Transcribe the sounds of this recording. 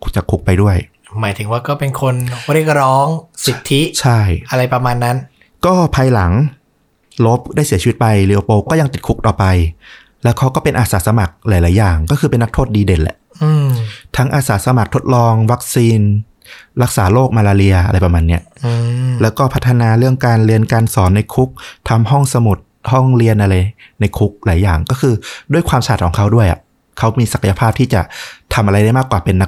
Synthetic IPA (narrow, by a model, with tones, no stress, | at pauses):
t͡ɕa˨˩kʰːu˦˥k̚pa˧jdu˥˩əj | maː˩˦jt̪ʰɯ˨˩˦ŋwaː˥˩kɔː˥˩pe˧nkʰo˧nɾi˥˩ək̚ɾɔː˦˥ŋsi˨˩t̪ʰːi˦˥t͡ɕʰa˥˩jʔa˧ɾa˧jpɾa˧maː˧nːa˦˥n | kɔː˥˩pʰaː˧jla˩˦ŋ | lo˦˥p̚daː˥˩jsi˩˦i˧˦i˦t̪̚pa˧jli˧ʔo˧˩poː˧kɔː˥˩ja˧ŋt̪i˨˩t̪̚kʰu˦˥k̚t̪ɔː˨˩pa˧j | lɛː˦˥wkʰa˦˥wkɔː˥˩pe˧nʔaː˧˩saː˩˦sa˧ma˨˩k̚laː˩˦jlaː˨˩˦jaː˨˩ŋkɔː˥˩kʰɯː˧pe˧nːa˦˥kt̪ʰoː˥˩t̪̚diː˧de˨˩nlɛ̰˨˩ʔʔɯː˧t̪ʰa˦˥ŋʔaː˧saː˩˦sa˧ma˨˩k̚t̪ʰo˦˥t̪̚lɔː˧ŋwa˦˥k̚siː˧n | ɾa˦˥k̚saː˩˦loː˥˩k̚maː˧laː˧ɾi˧ɐʔa˧ɾa˧jpɾa˧maː˧nːi˦˥ɐʔlɛː˦˥wkɔː˥˩pʰa˦˥t̪ʰːa˧naː˧ɾɯ˥˩əŋkaː˧nɾi˧ənkaː˧nsɔː˩˦nːa˧jkʰu˦˥k̚t̪ʰa˧mɦɔ˥˩ŋsa˧mu˨˩t̪̚hɔ˥˩ŋɾi˧ənʔa˧ɾa˧jna˧jkʰu˦˥k̚laː˩˦jaː˨˩ŋkɔː˥˩kʰɯː˧du˥˩əjkʰwaː˧mt͡ɕʰaː˨˩t̪̚kʰɔː˩˦ŋkʰa˦˥wdu˥˩əjʔa̰˨˩ʔ | kʰa˦˥wmiː˧sa˨˩kʰa˧ja˧pʰaː˥˩p̚t̪ʰiː˥˩t͡ɕa˨˩ʔt̪ʰa˧mʔa˧ɾa˧jda˥˩jmaː˥˩kwaː˨˩pe˧nːa˦˥